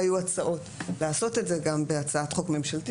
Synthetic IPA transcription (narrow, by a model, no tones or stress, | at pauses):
ajuat͡saʔo̞tleaːso̞te̞tze̞ɡambe̞at͡saatχo̞kme̞mʃalti